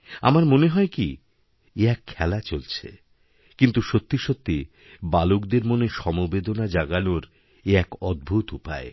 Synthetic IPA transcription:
a̰maɾmoneɦɔeki | eɛkʰːɛlat͡ɕolt͡ɕʰḛ | kint̪uʃot̪ːiʃot̪ːi | balokd̪eɾmoneʃɔmobed̪onad͡ʑaɡanoɾ | eɛkɔd̪̚bʱut̪upa̰e

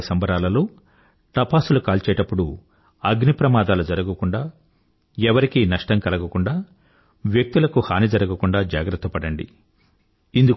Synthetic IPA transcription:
sɐmbɐɾaːlɐluː | ʈɐpaːsulukaːlt͡ʃɛːjʈɐpːuɽu | ɐɡnipɾɐmaːd̪aːlud͡ʒɐɾɐɡɐkuɳɖaː | ɛʋɐɾikinɐʂʈɐŋkɐlɐɡɐkuɳɖaː | ʋjek̚t̪ulɐkuhaːnid͡ʒɐɾɐɡɐkuɳɖaːd͡ʒaːɡɾɐt̪ːɐpɐɽɐɳɖḭ | ind̪u

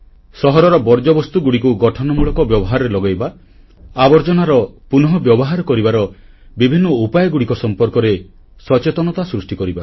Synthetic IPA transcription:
sɔɦɔɾɔɾɔbɔɾd͡ʒɔbɔst̪uɡuɽikuɡɔʈʰɔnɔmuɭɔkɔbjɔbɔɦaɾɔɾelɔɡajba | abɔɾd͡ʒɔnaɾɔpunɔɦɔbjɔbɔɦaɾɔkɔɾibaɾɔ | bibʱinːɔupajɔɡuɽikɔsɔmpɔɾkɔɾe | sɔt͡ʃet̪ɔnɔt̪asɾusʈikɔɾiba

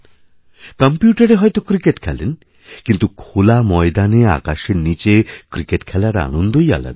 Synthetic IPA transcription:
kɔmpjuʈaɾeɦɔjt̪okɾikeʈkʰɛlen | kint̪ukʰolamɔjd̪anea̰kaʃenit͡ɕekɾikeʈkʰɛlaɾa̰nond̪oja̰la̰d̪

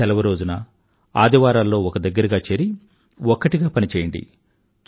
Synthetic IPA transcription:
ɛlɐʋɐɾo̞ːd͡ʒunɐ | aːd̪iʋaːɾaːlːo̞ːɔkɐd̪ɐɡːɐɾɐɡaːt͡ʃeːɾi | ɔkːɐʈiɡaːpɐnit͡ʃeːjɐɳɖḭ | t͡ʃ

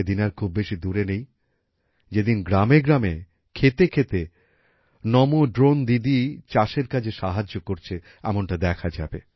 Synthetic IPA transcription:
ed̪inaɾkʰubːeʃid̪uɾenej | d͡ʑed̪inɡɾameɡɾame | kʰet̪ekʰet̪e | nɔmoɖɾond̪id̪it͡ɕaʃeɾkat͡ɕʰeʃaɦad͡ʑːokoɾt͡ɕʰe | ɛmonʈad̪ɛkʰad͡ʑa̰be

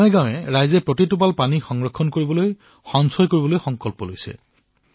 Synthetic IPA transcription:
mɛɡawɛɹajzɛpɹotitup̬alpanixɔŋɹɔkʰːɔnkoɹibɔloj | xɔŋsɔjkoɹibɔlojxɔŋkɔlpɔlojsɛ̰

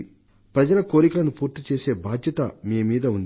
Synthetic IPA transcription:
pɾɐd͡ʒɐlɐko̞ːɾikulɐnupuːɾt̪ːit͡ʃeːse̞ːbaːd̪ʱjɐt̪ɐmiːmiːd̪ɐund̪i

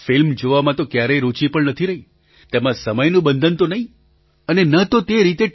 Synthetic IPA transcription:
fɪlmd͡ʒoʋamãt̪okjaɾeɾut͡ʃipəɳnət̪ʰiɾəɦĩ | t̪emãsəməjnũbə̃nd̪ʱənt̪onəɦĩ | ənenət̪ot̪eɾit̪e

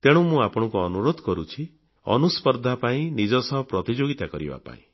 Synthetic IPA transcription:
t̪eɽ̃ũmũapɔɽ̃ɔ̃kuɔnuɾod̪ʱɔkɔɾut͡ʃʰi | ɔ̰nuspɔɾd̪ʱapaĩnid͡ʒɔsɔɦɔpɾɔt̪id͡ʒoɡit̪akɔɾḭba̰pa̰ḭ̃

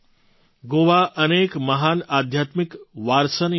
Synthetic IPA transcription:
ɡoːʋaʔɐneːkmɐɦaːnaːd̪ʱjaːt̪mɪkʋaːɾsən

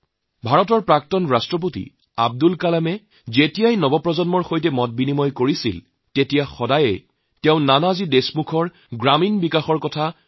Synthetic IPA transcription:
bʱaɹɔtɔɹpɹak̚tɔnɹastɹɔp̬otḭ | ab̚dulkalamɛ | zetijajnɔbɔpɹɔzɔnmɔɹxojtɛmɔt̚binimɔjkoɹisḭl | tetijaxɔdajɛ̰ | tɛʊ̃nanazidesmukʰɔɹ | ɡɹaminbikaxɔɹkɔtʰa

